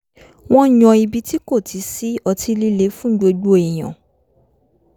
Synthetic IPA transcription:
w̃ɔ̃˦ɲɔ̃˧i˧bi˧ti˦ko˦˨ti˨˦si˦ɔ˧tʰi˧li˦le˨˦fũ˦ɡ͡bo˧ɡ͡bu˦e˨j̃ã̰˨

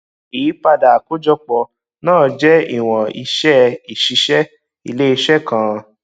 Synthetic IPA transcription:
i˨˦pa˧da˨ko˦d͡ʒɔ˧k͡pɔ˨ | nãː˦˨d͡ʒɛ˦ḭ˨w̃ɔ̃˨i˧ʃɛ˦i˨ʃi˧ʃɛ˦ | i˧le˦i˧ʃɛ˦kã˦˧

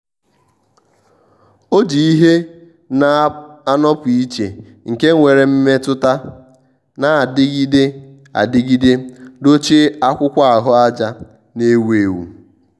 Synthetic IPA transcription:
o˦d͡ʒi˨i˦ɦe˦ | na˨a˦nɔ˦pʊ˨i˦t͡ʃḛ˨ | ŋ̩˨ke˦ŋʷe˨ɾe˨m̩˦me˦tʊ˦ta˦ | na˨a˨dɪ˦ɡi˦de˦ | a̰˨dɪ˦ɡi˦de˦do˦t͡ʃi˦a˦kʷʊ˦kʷa˦a˨ɦʊ˦a˦d͡ʒa˦ | ne˦we˨wṵ˨

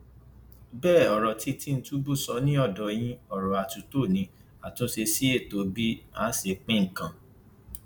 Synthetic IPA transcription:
bɛː˦˨ɔ˨ɾɔ˨ti˧ti˦˧n̩˦tu˦bu˦˨sɔ˧˦nĩ˦ɔ˦˨dɔ˨˦j̃ĩ˦ɔ˦˨ɾɔ˨a˨tu˨˦to˦˨nĩ˨˧ | a˨tũ˦ʃe˧si˦e˦˨to˨˦bi˦a˦ʃe˧k͡pẽ˦ŋ̩˨kã˨

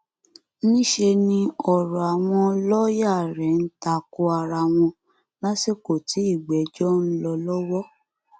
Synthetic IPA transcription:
nĩ˦ʃe˧nĩ˧ɔ˨ɾɔ˨a˨w̃ɔ̃˧lɔ˦ja˦˨ɾɛ˨˦n̩˦ta˧ko˧a˧ɾa˧˨w̃ɔ̃˧ | la˦si˦˨ko˨ti˨˦i˦˨ɡ͡bɛ˨˦d͡ʒɔ˦n̩˦lɔ˧lɔ˦wɔ˦

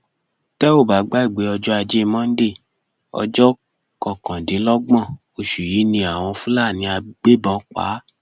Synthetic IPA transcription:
tɛ˦o˦˨ba˨˦ɡ͡ba˦i˦˨ɡ͡be˨˦ɔ˧d͡ʒɔ˦a˧d͡ʒe˦˧mɔ̃˦n̩˦de˦˨ | ɔ̰˧d͡ʒɔ˦ | kɔ̃˨kã˨di˨˦lɔ˦ɡ͡bã˦˨ | o˧ʃu˨ji˨˦nĩ˧a˨w̃ɔ̃˧fũ˦la˦˨nĩ˧˦a˧ɡ͡be˦bɔ̃˨˦k͡pa̰˨˦

